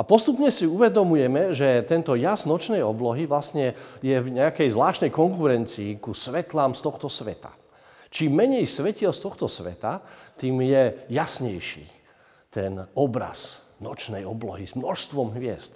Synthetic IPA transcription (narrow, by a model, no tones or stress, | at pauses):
apɔst̪upɲɛsiuʋɛd̪ɔmujɛmɛʒɛt̪ɛnt̪ɔjaznɔt͡ʃnɛjɔblɔɦiʋlasɲɛjɛvɲɛakɛjzʋlaːʃt̪nɛjkɔŋkuɾɛnt͡siːkusʋɛt̪laːmst̪ɔxt̪ɔsʋɛ̰t̪a̰ | t͡ʃiːmːɛɲɛjsʋɛcilst̪ɔxt̪ɔsʋɛ̰t̪at̪iːmjɛjasɲɛjʃḭː | t̪ɛnɔbɾa̰z̥ | nɔt͡ʃnɛjɔblɔɦizmnɔʃst̪ʋɔmɦʋɪɛ̰st̪